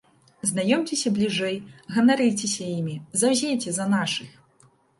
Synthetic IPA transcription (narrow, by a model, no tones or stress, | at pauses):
znajɔmt͡sʲɛsʲɐblʲiʐɛjɣɐnaɾɨjt͡sʲɛsʲɐjimʲizawzʲejt͡sʲɛzɐnaʂɨx